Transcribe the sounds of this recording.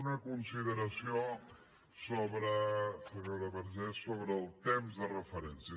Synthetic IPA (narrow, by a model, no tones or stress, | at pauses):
nəkunsiðəɾəsio | soβɾəsəβɛwɾəβəɾʒɛsoβɾəːlˠt̪emzðərəfəɾɛnsiə